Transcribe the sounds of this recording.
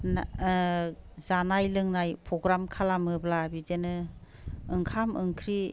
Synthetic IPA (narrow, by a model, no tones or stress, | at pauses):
n | zanajlɯŋnajpʰɾɔɡɾamkʰalamɯblabidenɯ | ɯŋkʰamɯŋkʰɾi